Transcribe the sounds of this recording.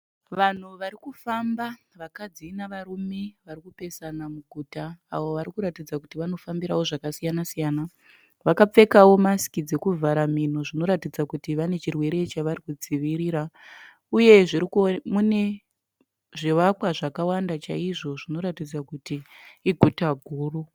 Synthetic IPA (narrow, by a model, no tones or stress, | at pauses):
ʋan̤uʋaɾikufamba | ʋakad͡ziːnaʋaɾumeʋaɾikupe̞sanamuɡʱuta̰ːwo̞ʋaɾikuɾatid͡zakutiʋano̞fambiɾawo̞ʐakasijanasijaːna | ʋakap͡fe̞kawo̞masi̥kid͡ze̞kuvʱaɾamin̤uʐino̞ɾatid͡zakutiʋane̞t͡ʃirwe̞ɾe̞t͡ʃaʋarikud͡ziʋiɾiːɾa | uje̞ʐiɾikmune | ʐiʋakwaʐakawandat͡ʃaiʐo̞ʐino̞ɾatid͡zakutiː | ɡʱutaɡʱuːru